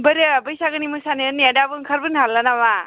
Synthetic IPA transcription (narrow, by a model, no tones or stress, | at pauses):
bəɾɯbɯjsaɡɯnimɯsanɯɯnjadabɯŋkʰaɾbɯnɦalːanama